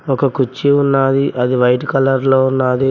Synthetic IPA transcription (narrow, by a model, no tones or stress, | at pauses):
ɔkɐkut͡ʃːiunːaːd̪iʔɐd̪iʋɐjʈkɐlɐɾloːunːaːd̪i